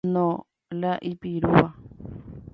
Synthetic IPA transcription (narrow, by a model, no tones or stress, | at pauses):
nõ | laʔipiɾuwa